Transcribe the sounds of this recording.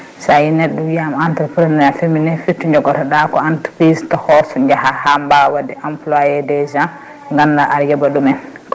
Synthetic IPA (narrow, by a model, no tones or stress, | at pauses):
sajnɛɗːuwiamantɛɾpɾnɛafeminɛfitːuɲd͡ʒɔɡɔtaɗakɔantpistɔhɔsɔɲd͡ʒahahambawadɛʔamplajɛdɛza | ŋɡanːaʔaɾjɛbaɗumɛnk